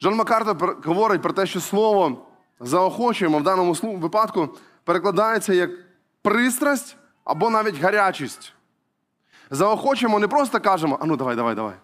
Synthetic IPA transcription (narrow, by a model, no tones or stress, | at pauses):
ʒɔnmɐkɑrt̪ɔpɣɔʋɔɾɪt̚ʲpɾɔt̪ɛʃt͡ʃɔslˠɔʋɔ | zɐɔxɔt͡ʃʊjmɔwd̪ɑnːɔmʊslˠuʋɪpɑt̪kʊ | peɾeklˠɐd̪ɑjet͡sʲːɐjɐk | pɾɪst̪ɾɐsʲtʲ | ɐ̰bɔnɑʋʲitʲɣɐɾʲat͡ʃisʲtʲ | zɐɔxɔt͡ʃɪjmɔnɪpɾɔst̪ɐkɑʒɛmɔʔɐnud̪ɐʋajd̪ɐʋajd̪ɐ̰ʋa̰j